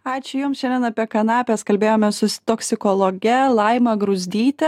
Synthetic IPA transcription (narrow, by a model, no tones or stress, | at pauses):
ɑːt͡ʃʲʊjʊmsʃʲɛnʲd̪ʲɛnɐpʲiɛkɐnɑːpʲɛːskɐlʲbʲeːjoːmʲɛsʊt̪oksʲɪkoːlˠoːɡʲɛlˠɐɪmɐɡɾʊzʲd̪ʲiːt̪ʲɛ